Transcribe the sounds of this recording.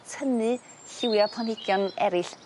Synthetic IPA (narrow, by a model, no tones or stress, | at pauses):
tʰənɨ | ɬɪwjapʰanɪɡ̥jɔnɛɾɪɬ